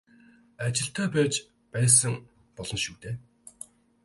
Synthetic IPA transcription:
at͡ɕɪ̆ɬt̪ʰæːpæːt͡ɕ | pæːs̬ə̆ŋ | pɔɮɞ̆nʃuːt̪eː

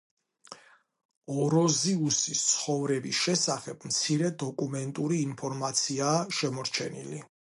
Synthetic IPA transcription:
ɔɾɔziusist̪sʰχɔvɾɛbisʃɛsaχɛb̥mt̪sʰiɾɛd̪ɔkʼumɛnt̪ʼuɾiːnpʰɔɾmat̪sʰiaːʃɛmɔɾt͡ʃʰɛnḭli

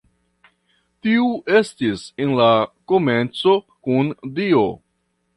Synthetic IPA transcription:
tiuʔe̞stisenlako̞me̞nt͡so̞ | kundio̞

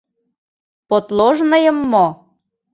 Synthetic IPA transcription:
pot̪lˠoʒnɤ̆jə̆mːo

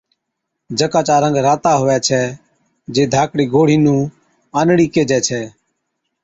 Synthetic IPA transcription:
d͡ʒəkaːt͡ʃaːɾə̃ŋɡɾaːt̪aːɦʊːɛːt͡ʃʰɛː | d͡ʒeːd̪ʱaːkɽiːɡʱoːɽ̤iːnũː | aːnɽiːkeːd͡ʒɛːt͡ʃʰɛː

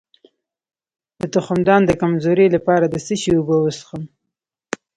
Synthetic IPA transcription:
d̪̥ət̪ʊxʊmd̪ɑnd̪əkamzoɾelapɑɾad̪əsəʃiubəwəsxəm

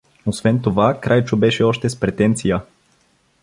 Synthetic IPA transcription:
osvɛnt̪ovakɾʔajt͡ʃobɛʃɛɔʃt̪ɛspɾɛt̪ɛnt̪sijə

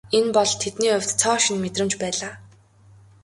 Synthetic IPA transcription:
enpɔɮt̪ʰet̪niːɵw̥ʲt̪t͡sʰɔːʃĭnmet̪rɘ̆mt͡ɕpæːɮaː

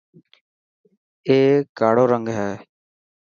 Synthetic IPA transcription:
eːkaːɽoːɾəŋɡɦɛː

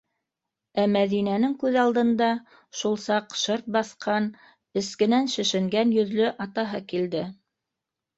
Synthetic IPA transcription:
æmæðinænɘŋkʉðɑlˠd̪ɤ̆nd̪ɑ | ʃulˠsɑqʃɤɾt̪̚bɑθqʰɑn | ɘ̆skɘ̆nænʃɘ̆ʃɘ̆ŋɡænjɵ̆ðlɵʔɑt̪ɑɦɤkild̪ɘ

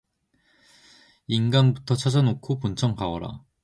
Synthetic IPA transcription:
inɡanbutʰʌt͡ɕʰad͡ʑʌnokʰopunt͡ɕʰʌŋkaʌɾa̰

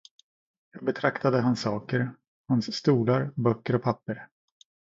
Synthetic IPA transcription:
jɑːɡ̚bɛt̪ʰɾakt̪ad̪əɦansːɑːkəɾ | hansːt̪uːlaɾbœkːəɾɔpʰapːəɾ

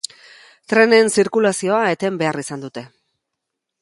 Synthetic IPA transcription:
t̪ɾe̞ne̞nsiɾkulasio̞ae̞t̪e̞mbe̞arisand̪ut̪e̞

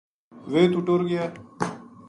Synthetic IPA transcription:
ʋeːt̪uʈoːɾɡɪjaː

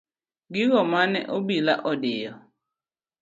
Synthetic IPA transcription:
ɡɪɣɔmanɛ̰ʔobilaʔɔdɪjɔ

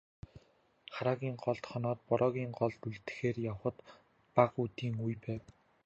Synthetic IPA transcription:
χaɾaːɣʲiːŋɢɔɮt̪χɔnɔːt̪̚pɔɾɔːɣʲiːŋɢɔɮt̪uɮt̪ɘ̥̆xeːrjawχə̆t̪ | paqut̪iːŋujpæːw

